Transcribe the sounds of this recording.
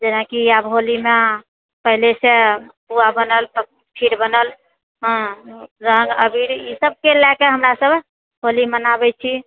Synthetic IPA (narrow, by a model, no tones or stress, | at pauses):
d͡ʒenakiabɦolime | pəɦilesepuabənəlt̪ | pʰiɾbənəl | ɦə̃ɾəŋɡəbʱiɾisəb̚kelːakeɦəmɾasəbʱ | ɦolimənabɛt͡ʃʰi